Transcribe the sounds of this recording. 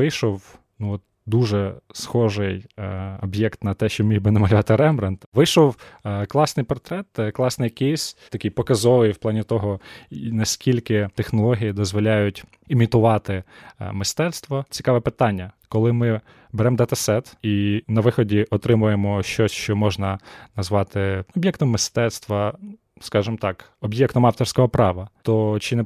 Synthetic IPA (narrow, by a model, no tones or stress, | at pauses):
ʋɪjʃɔw | nuɔt̪ | d̪uʒɛsxɔʒɪjɔbjɛkt̪nɐt̪ɛʃt͡ʃɔmʲijbɪnɛmɐlʲʊʋɑt̪ɪɾɛmbɾɐnt̪ʋɪjʃɔwklˠɑsnɪjpɔrt̪ɾɛt̪klˠɑsnɪjɐkɪsʲt̪ɐkʲijpɔkɐzɔʋɪjw̥plˠɑnʲit̪ɔɦɔnɐsʲkʲilʲkɪt̪exnɔlˠɔɦʲijid̪ɔzʋɔlʲajʊtʲ | imʲit̪ʊʋɑt̪ɪmɪst̪ɛt̪st̪ʋɔt͡sʲi̥kɑʋɛpɪt̪ɑnʲːɐkɔlˠɪmɪ | bɛɾɛmd̪ɐt̪ɐsɛt̪inɐʋɪxɔdʲiʔɔt̪ɾɪmʊjemɔʃt͡ʃɔsʲʃt͡ʃɔmɔʒnɐnɐzʋɑt̪ɪɔbʲjɛkt̪ɔmːɪst̪ɛt̪st̪ʋɐ | skɑʒɪmt̪ɑk | ɔbjɛkt̪ɔmɑft̪ɔrsʲkɔɦɔpɾɑʋɐt̪ɔt͡ʃɪnɛ